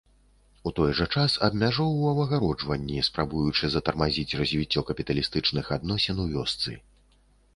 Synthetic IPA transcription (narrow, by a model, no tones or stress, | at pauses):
ut̪ɔjʐɐt͡ʂasɐd̪mʲaʐɔwɐvɐɣaɾɔd͡ʐvɐnʲːispɾabujut͡ʂɨzɐt̪ɐrmazʲit͡sʲrɐzʲvʲit͡sʲːɔkɐpʲit̪ɐlʲist̪ɨt͡ʂnɨxad̪nɔsʲɛnwvʲɔst̪sɨ̰